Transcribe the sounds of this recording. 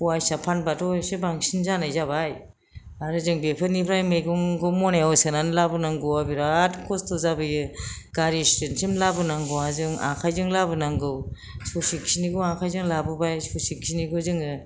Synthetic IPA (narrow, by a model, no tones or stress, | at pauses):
uajsapʰanbatɔjsebaŋsinzanajzaβaj | aɾɯzɯŋbepʰɯnipʰɾajmejɡuŋɡɯwmɔnaɔsenanlabɯnaŋɡɔwabiɾatkʰɔstʰɔzabɯjɯɡ̥aɾistɯnsimlabɯnaŋɡɯwazɯŋa̰ŋkʰajzɯŋlabɯnaŋɡɯw | sɔsik̚siniɡɯwaŋkʰajzɯŋlabɯbajsɔsik̚siniɡɯzɯŋɯ